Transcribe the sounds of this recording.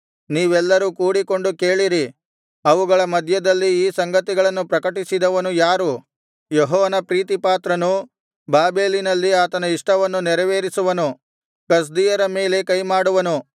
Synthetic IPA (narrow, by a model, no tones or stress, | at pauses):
niːʋɛlːɐɾukuːɽiko̞ɳɖuke̞ːɭiɾi | ɐʋuɡɐɭɐmɐd̪ʱjɐd̪ɐlːiiːsɐŋɡɐt̪iɡɐɭɐnːupɾɐkɐʈisid̪ɐʋɐnujaːɾu | jɔɦɔːʋɐnɐpɾiːt̪̬ipaːt̪ɾɐnu | baːbe̞ːlinɐlːiaːt̪ɐnɐiʂʈɐʋɐnːunɛɾɐʋeːɾisuʋɐnu | kɐs̬d̪ijɐɾɐme̞ːle̞kɐjmaːɽuʋɐnu